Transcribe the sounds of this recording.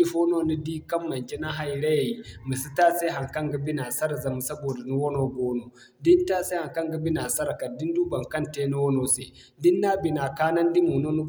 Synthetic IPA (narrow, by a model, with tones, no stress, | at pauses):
i˦ɸoː˦no˦nu˦diː˦kɐ˦mːɐ˨nt͡ʃe˦na˦ɦa˦jɽa˦ja˨ji˦mi˨su˦taː˦se˦ɦa˨ŋkɐ˦ŋɡa˦bɪ˦na˨sɐ˦ɾa˨zɐ˨mu˨sɐ˦boː˨da˨nu˦wo˦noː˦ɡʷoː˦no˨ | dɪ˦ntaː˦se˦ha˨ŋkɐ˦ŋɡa˦bɪ˦naː˨sɐ˦ɾka˨dɪ˦nduː˦bɐ˨ŋkɐ˦nteː˦nu˦wo˦noː˦se˨ | dɪ˦nːa˦bi˨naː˨kaː˦nɐ˦ndi˦mu˨no˦nu˦